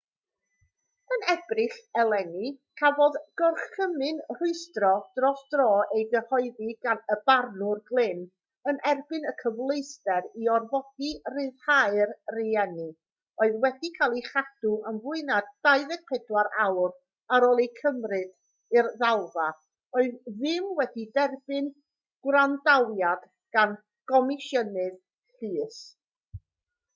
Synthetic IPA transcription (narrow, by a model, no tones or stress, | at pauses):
ənɛbrɨɬɛlˠɛnikʰavɔðɡ̥ɔrχəmɨnrʊɨstrɔd̥rɔsd̥rɔːejɡəhɔɨðiɡanəbarnʊrɡlˠɪn | ənɛrbɨnəkʰəvlˠejstɛɾiɔrvɔd̥irɨðhaɨrriɛnɨ | oɨðwɛdikʰaːlˠiχad̥uənvʊɨnad̥ːaɨðɛpʰɛdwaɾawr | aɾɔːlˠejkʰəmrɨd | irðalˠva | oɨððɪmwɛdidɛrbɨn | ɡ̥wrandawjad̥ | ɡ̥an | ɡ̥ɔmɪʃjənɨð | ɬɨːs